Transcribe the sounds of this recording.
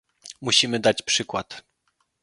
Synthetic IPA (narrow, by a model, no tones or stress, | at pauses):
muɕimɘd̪at͡ɕpʂɘkwat̪